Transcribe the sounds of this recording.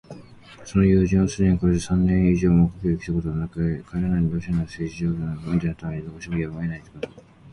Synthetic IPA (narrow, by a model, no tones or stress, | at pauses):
so̞no̞jɯːʑĩɰ̃ːasɨd̪e̞ɲ̟iko̞ɾe̞d̪e̞sãnːẽɰ̃iʑoːmoːkakeokʲi̥t̪akot̪oɡanakʰaeɾanaiɲibʲjoːɕanaseːʑiʑoːond̪ʲenat̪ameɾʲid̪okoɕimojamaenait̪ːe̥kot̪o